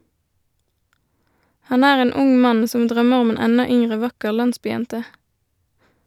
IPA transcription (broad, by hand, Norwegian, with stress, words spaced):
ˈhɑn ˈæːʁ ˈeːn ˈʊŋ ˈmɑn ˈsɔm ˈdʁœməʁ ˈʊm ˈeːn ˈɛnɑ ˈʏŋʁə ˈʋɑkəʁ ˈlɑnsbyːˌjɛntə